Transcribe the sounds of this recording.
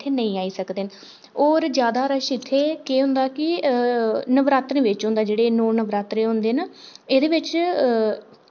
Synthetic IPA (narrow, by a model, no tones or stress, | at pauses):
t̪ʰeːnə̃ĩːaːiːsəkd̪eː | oːɾd͡ʒjaːd̪aːɾəʃɪt̪ʰːeːkeːɦʊ̃nd̪aːkɪ | nəʋɾaːt̪ɾ̃ːʋɪt͡ʃɦʊ̃nd̪aːd͡ʒeːɽeːnoːnəʋɾaːt̪ɾeːɦõnd̪eːnaːeːd̪eːʋɪt͡ʃ